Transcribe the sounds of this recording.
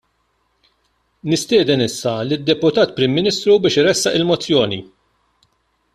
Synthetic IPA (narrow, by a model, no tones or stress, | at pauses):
nɪst̪ɪːd̪ɛnɪsːɐlid̪ːɛpʊt̪ɐːt̪pɾɪmːɪniːst̪ɾubɪːʃɪɾɛsːɐʔɪlmɔt͡sːjɔːni